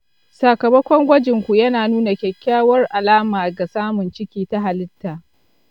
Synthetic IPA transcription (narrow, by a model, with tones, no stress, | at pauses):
saː˨kɐ˨mɐ˦kʷɔ˦ŋɡʷɐ˦d͡ʒɪ˨ŋkʷu˨jɐ˦naː˨nuː˦na˨kʲɛ˨kʲːaː˦wɐ˦rʔa˨laː˦maː˨ɡa˨saː˦mʊ˨nt͡ʃɪ˦kʲiː˨ta˦ɦa˨lɪ˦tːaː˨